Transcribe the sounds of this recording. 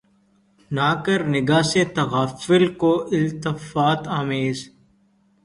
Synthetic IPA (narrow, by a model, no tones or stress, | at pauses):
naːkəɾnɪɡaːset̪ɐɣaːfɪlkoːʔɪlt̪ɪfaːt̪aːmeːz